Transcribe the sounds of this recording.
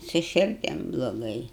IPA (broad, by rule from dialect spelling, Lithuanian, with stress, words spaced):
sʊ ʃʲɪrʲˈdʲɪm blˠoːˈɡɐɪ